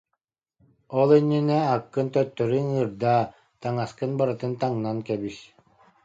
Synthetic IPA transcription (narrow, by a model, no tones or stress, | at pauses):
ɔlˠinːinɛakːɯnt̪œt̪ːœɾynɯɾd̪aː | t̪aŋaskɯnbaɾɯt̪ɯnt̪aŋnankɛbis